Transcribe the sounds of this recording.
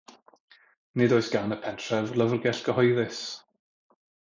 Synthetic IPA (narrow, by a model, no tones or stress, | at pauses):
nɨdoɨsɡ̥anəpʰɛntʰrɛvlˠəvrɡɛɬɡ̥əhɔjðɨs